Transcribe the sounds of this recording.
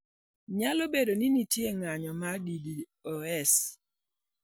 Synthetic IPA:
ɲalobedoninitjeŋaɲɔmadidi | oɛs

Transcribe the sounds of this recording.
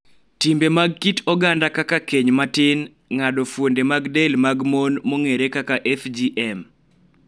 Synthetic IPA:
timbemaɡ̚kitɔɡandakakakeɲmatɪn | ŋadofwondemaɡdelmaɡmonmoŋeɾekakaʔɛfd͡ʒiʔɛm

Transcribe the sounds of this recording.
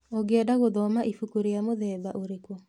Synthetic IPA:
oɡɛdaɣoðɔmaʔifukuɾejamoðɛðaʔoɾekwo

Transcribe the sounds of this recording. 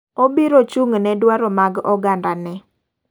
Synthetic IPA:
obiɾot͡ʃuŋnɛdwaɾɔmaɡɔɡandanɛ

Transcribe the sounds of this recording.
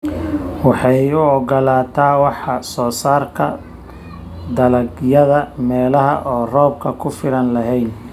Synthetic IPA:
wɑħɑjʊɔɡɔlaːt̪ʰaːwɑħɑsɔːsaːrkʰɐ̰ | d̪ɐlɐɡjɐðɐmɛːlɐɦɐ̰ʔɔːrɔːb̚kʰɐkʰʊfɪɾɐnlɐɦɛjn

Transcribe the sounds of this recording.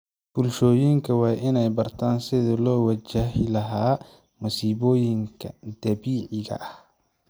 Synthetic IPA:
b̥ʊlʃɔːjɪŋkʰɐwɑːʔɪnɛjbɐrt̪ʰaːnsɪðɐlɔːwɐt͡ʃaɦɪlɐɦaː | mʊsiːβɔːjɪŋkʰɐd̪̥ɐbiːʕɪɣɐ̰ʔɐh

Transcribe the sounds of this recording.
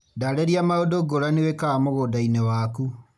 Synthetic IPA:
daɾeɾiamaodoɡoɾanewekamoɣodainewaku

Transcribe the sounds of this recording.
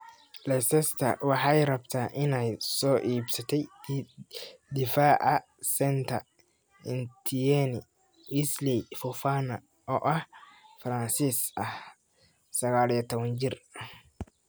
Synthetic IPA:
lɛsɛst̪ʰɐ̰wɑħɑjrɐbt̪ʰaːʔɪnɛjsɔːʔiːbsɐt̪ʰɛj | d̪ɪfaːʔɐ | sɛnt̪ʰɐr | ɪnt̪ʰijɛnɪ | wɪslifɔfaːnɐ | ʔɔːʔɐhfɾɐnsiːsɐh | sɐɣaːliɔt̪ʰɔβɐnd͡ʒɪr

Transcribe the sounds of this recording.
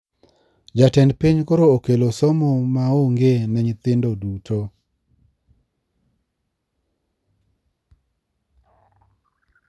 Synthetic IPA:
d͡ʒatɛndpiɲkoɾookelosomomaoŋɡenɛɲt̪ɪndodutʰo

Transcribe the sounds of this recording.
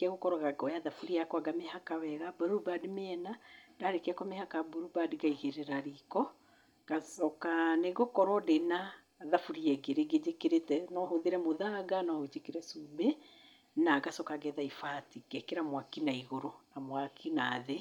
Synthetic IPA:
kɛɣokɔɾɔɣaɡɔjaðafuɾiakɔaɡamehakawɛɣabɔɾubadmeɛnadaɾekeakɔmehakabuɾubadɡaiɣeɾeɾaɾikɔ | ɡ̥asɔkaneɣokɔɾɔdena | ðafuɾiɛɡeɾeɡed͡ʒekeɾetɛnɔɦoðeɾɛmoðaɡanɔhot͡ʃekeɾɛsumbe | naɡasɔkaɡɛðaifatiɡ̥ɛkeɾamwakinaiɣoɾonamwakʰinaðe

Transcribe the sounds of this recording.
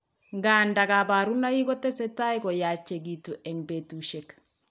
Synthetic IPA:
ŋɡaːndaɡabaɾunaiɡɔtesɛtajkɔjat͡ʃeɡituʔɛŋbetuʃek

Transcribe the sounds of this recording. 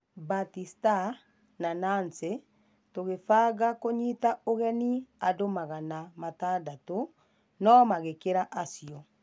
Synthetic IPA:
batista | nananse | toɣefaːɣakoɲitaoɣɛniadomaɣanamataːdato | nɔmaɣekeɾaʔasijɔ

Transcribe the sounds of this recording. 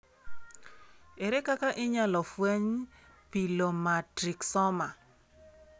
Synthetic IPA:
eɾekakaʔɪɲalɔfweɲ | pilomatɾiksɔma

